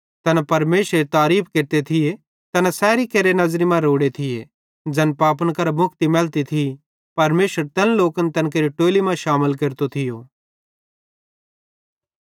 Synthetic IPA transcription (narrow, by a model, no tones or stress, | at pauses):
t̪ɐnapɐɾmeːʃɾet̪aːɾiːp̚ʰkeɾt̪et̪ʰɪje | t̪ɐnasɛːɾikeɾenɐzɾimãɾoːɽet̪ʰɪjḛ | d͡ʒɛnpaːp̬ənkɐɾamʊkʰt̪imɛːlt̪it̪ʰi | pɐɾmeːʃəɾt̪ɛnloːkənt̪ɐnk̬eːɾiʈoːlimãʃaːməlkeːɾt̪ot̪ʰɪjoː